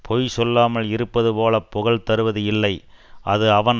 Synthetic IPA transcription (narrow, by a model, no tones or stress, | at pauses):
pʰɔjsɔlːaːmɐlɪɾɯpːɐðɯpoːlɐpːɔɣɐɭt̪ɐɾɯʋɐðɯɪlːɐɪ | ʔɐðɯɐʋɐn